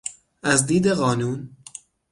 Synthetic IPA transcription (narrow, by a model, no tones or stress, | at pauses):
æzd̪iːd̪eɣɒːnuːn